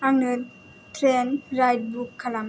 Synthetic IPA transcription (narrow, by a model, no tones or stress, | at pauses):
ʔaŋnɯt | t̪ʰɾɛnɾajt̪̚bukʰːalam